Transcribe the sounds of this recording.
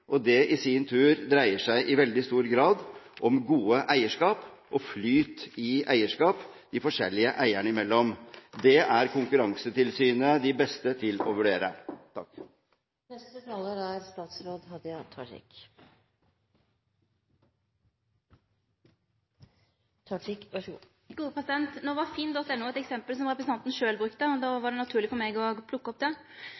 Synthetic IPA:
ʔɔd̪ɛʔɪsiːnt̪ʰʉːɾd̪ɾæɪəʂæɪʔɪʋɛld̪ɪst̪uːɾɡɾɑːd̪ʔɔmɡuːəʔæɪəʂkɑːp | ʔɔflyːt̪ɪæɪəʂkɑːpd̪̥ɪfɔʂɛ̰lːɪəʔæɪəɳəɪmɛlːɔmd̪ɛʔæɾkʰʊŋkʉɾɑŋsət̪ʰɪlsyːnəd̪ɪbɛst̪ət̪ʰɪlɔ̰ʋʉɖeːɾə̰t̪ʰɑk | nɛst̪ət̪ʰɑːləɾæɾst̪ɑːt̪sɾoːd̪ɦɑd̪jɑt̪ʰɑʈɪ̰k | t̪ʰɑʈɪkɑ | ɡ̥uːəpʰɾɛsɪd̪ɛnt̪noːʋɑɾfiːnd̪ɔt̪ːɛnːuːɛt̪ɛksɛmpəlsɔmɾɛpɾəs̩ɑnt̪n̩ʂøːlbɾʉkt̪əɔd̪ɑːʋɑɖɛnɑt̪ʰʉːɭɪfɔɾmɛɡɔpʰlʊkːəɔp̚d̪ɛ

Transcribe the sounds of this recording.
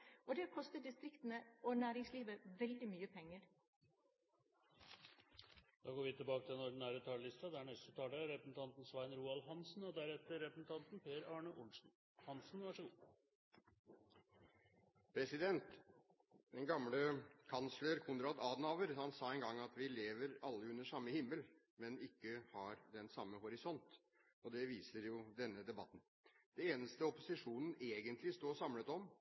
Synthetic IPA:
ʔɔd̪ɛkʰɔst̪ət̪̚d̪ɪst̪ɾɪkt̪n̩əɔnæːɾɪŋsliːʋəʋɛld̪ɪmyːəpʰɛŋːəɾ | d̪̥ɑːɡoːɾʋɪt̪ʰɪlbɑːkət̪ʰɪɛnɔɖɪn̩æːɾət̪ʰɑːɭɪst̪ɑd̪ɛæɳɛst̪ət̪ʰɑːɖɛɾɛpɾəsn̩t̪ʰɑnt̪nsʋæɪnɾuːɑlɦɑnsn̩ɔd̪æɾɛt̪əɾɛpɾəsn̩t̪ʰɑnt̪n̩pʰeːɾɑːɳəʔʊnʂn̩ | hɑnsn̩ʋɑʂəɡuː | pʰɾɛsɪd̪ɛnt̪ | d̪ɛnɡɑmləkʰɑnsləɾkʰʊnɾɑːd̪ɑːd̪nɑːʋəɾhɑnsɑːɛnɡɑŋːɑt̪ʋɪleːʋəɾɑlːəʉnːəʂɑmːəhɪmːəl | mɛnɪkːəhɑɾd̪ɛnsɑmːəhɔɾɪsɔnt̪ | ɔd̪ɛʋiːsəɾjʊd̪ɛnːəd̪ɛbɑt̪ːn̩ | d̪̥ɛeːnəst̪əɔpʊsɪʂuːnən̩eːɡənt̪lɪst̪oːsɑmlət̪ɔm

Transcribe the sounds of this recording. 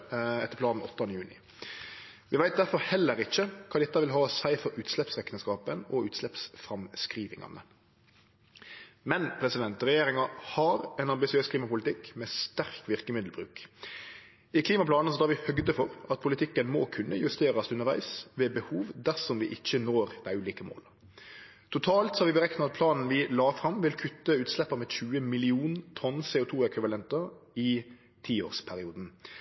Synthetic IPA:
ɛt̪ːəɾpʰlɑːnn̩ɔt̪ːɑnəjʉːnɪ̰ | ʋɪʋæɪd̪æɾfɔɾhɛlːəɾɪçːəkʰɑːd̪ɛt̪ːɑʋɪlɦɑːsæɪfɔɾʉːt̪slɛpsʁɛknəskɑːpənɔʉːt̪slɛpsfɾɑmskʁiːʋɪ̰ŋɑ̰nə̰ | mɛnpʰɾɛsɪd̪ɛnt̪ɾɛjeːɾɪŋɑhɑɾɛnɑmbɪsɪøːskʰliːmɑpʊlɪt̪ɪkːmɛːst̪æɾkʋɪʁkəmɪd̪l̩bʁʉ̰ːk | ɪkʰliːmɑpʰlɑːnəs̬ɔd̪ʰɑːɾʋɪhœɡd̪əfɔɾɑt̪̚pʰʊlɪt̪ʰɪkːənmɔkʰʉnːəjʉst̪eːɾɑsʉnːəɾʋæ̰ɪsʋeːbəhuːʋd̪æʁsɔmʋɪʔɪçːənoːɾd̪̥æɪʉːliːkəmo̰ːl | t̪ʰʊt̪ʰɑːlt̪sɔhɑɾʋɪbəɾɛknəɑt̪̚pʰlɑːnn̩ʋɪlɑːfɾɑmʋɪlkʰʉt̪ːəʉːt̪slɛpːəɾmɛçʉːəmɪlɪuːnt̪ʰɔnːseːʊt̪ʰuːɛkʋɪʋɑlɛnt̪ɑɪ | t̪ʰiːo̰ːɾspʰæɾɪuːd̪n̩

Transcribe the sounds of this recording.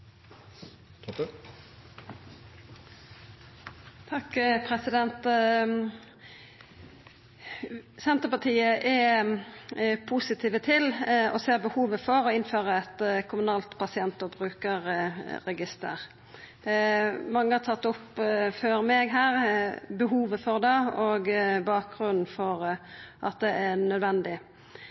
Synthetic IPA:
t̪ʰɑkːpʰʁɛsɪd̪ɛnt̪ | sɛnt̪əʁpɑt̪ʰiːəʔɛ | pʰusɪt̪ʰiːʋət̪ʰɪlɔ̰seːʁbəhuːʋəfɔɾɔɪnføːʁəɛt̪kʰʊmʉnɑːlt̪pɑsɪɛnt̪ɔbʁʉːkəɾːɛɡɪst̪ə̰ʁ | mɑŋːəhɑt̪ʰɑt̪ːʊpːføːɾmɛɡɦæːʁbəɦuːʋəfɔʁd̪ɑoːɡbɑːk̚ɡʁʉnn̩fɔʁʔɑt̪̚d̪ɛʔænœd̪ʋɛnd̪ɪ

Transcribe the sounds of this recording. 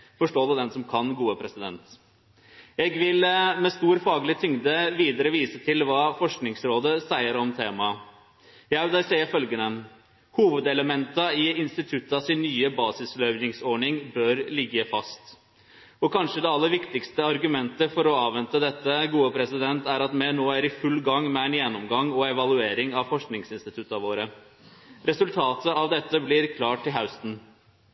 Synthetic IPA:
fɔʂʈoːd̪ʉd̪ɛnsɔmkʰɑnɡuːəpʰɾɛsɪd̪ɛ̰nt̪ | ɛɡʋɪlmɛst̪uːɾfɑːɡəlɪt̪ʰʏŋd̪əʋiːd̪əɾəʋiːsət̪ʰɪlʋɑːfɔʂknɪŋsɾoːd̪əsæɪəɾɔmt̪ʰeːmɑ | jæɪd̪ɛsæɪəfœlɡənən | huːʋəd̪ɛləmɛnt̪əɪɪnst̪ɪt̪ʰʉt̪ːəɑsɪnːyːəbɑːsɪslœʏnɪŋsɔɳɪŋbœɾlɪɡːəfɑst̪ | ɔkʰɑnʂəd̪ɛɑlːəɾʋɪkt̪ɪkst̪əɑɾɡʉmɛnt̪əfɔɾɔɑːʋɛnt̪əd̪ɛt̪ːəɡuːəpʰɾɛsɪd̪ɛnt̪æɾɑt̪mɛnoːæɾɪfʉlːɡɑŋːmɛæɪnjɛnːɔmɡɑŋɔɛʋɑlʉeːɾɪŋɑʋfɔʂknɪŋsɪnst̪ɪt̪ʰʉt̪ːɑʋoːɾə | ɾɛsʉlt̪ʰɑːt̪əɑʋd̪ɛt̪ːəblɪɾkʰlɑːʈʰːɪlɦaʉst̪n̩

